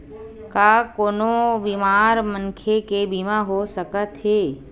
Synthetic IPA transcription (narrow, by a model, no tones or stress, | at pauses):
kakoːnobiːmaːɾmə̃nkʰekebiːmaɦosəkət̪ɦeː